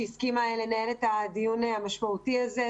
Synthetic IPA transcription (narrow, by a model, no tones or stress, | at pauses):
iskimaele̞naelet̪ad̪ijuneamaʃmaut̪iaze